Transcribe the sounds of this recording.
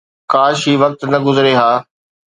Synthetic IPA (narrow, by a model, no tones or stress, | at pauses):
kaːʃɦiːʋɐk̚t̪nɐɡʊzɾeɦaː